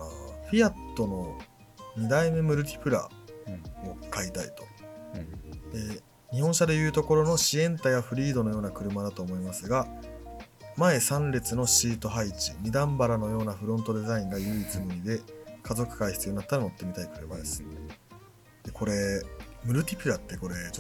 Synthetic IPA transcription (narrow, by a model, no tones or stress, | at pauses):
aɸʲiat̪ːo̞no̞ | ɲ̟id̪aime̞mɯ̟ɾɯ̟t̪ʲi̥pɯ̟ɾa̰ | okait̪aḭt̪o̞̥ | e | ɲ̟ihõɰ̃ɕad̪e̞jɯ̟ːt̪o̞ko̞ɾo̞no̞ɕiẽ̞nt̪ajaɸɯ̟ɾʲiːd̪o̞no̞jo̞ːnakɯ̟ɾɯ̟mad̪at̪o̞ːmo̞imasɨɡa | mae̞sãnɾʲe̞t͡sɨno̞ɕiːt̪o̞ɦait͡ɕiɲ̟id̪ãmbaɾano̞jo̞ːnaɸɯ̟ɾõ̞nt̪o̞d̪e̞zaĩŋɡajɯ̟ːit͡sɨmɯ̟ɾʲid̪e̞kazo̞kɯ̟̥kaiçi̥t͡sɨ̟inat̪ːaɾano̞t̪ːe̞mʲit̪aikɯ̟ɾɯbad̪e̞sɨ̥ | d̪̥e̞kʰo̞ɾe̞mɯ̟ɾɯ̟t̪ʲipɯ̟ɾat̪ːe̞ko̞ɾe̞